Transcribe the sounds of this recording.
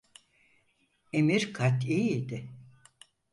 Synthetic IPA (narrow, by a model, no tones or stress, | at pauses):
emiɾkʰat̪ʰiːid̪ɪ